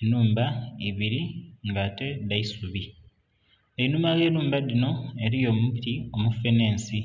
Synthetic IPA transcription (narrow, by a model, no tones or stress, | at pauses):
nuːmbaiβiɾiŋɡaːte̞daisuβi | einumaɣe̞ːnuːmbadino̞e̞ɾijo̞ːmupitio̞mufeneːnsi